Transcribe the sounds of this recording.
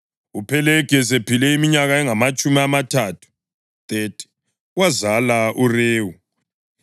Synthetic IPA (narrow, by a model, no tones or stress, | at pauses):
upʰɛlɛɡ̥ʱɛs̬epʰilɛimiɲaɣaɛŋamat͡ʃʼumiamatʰatʰu̥ | t̪ʼetʰʼi̥ | wazalaʔureːwu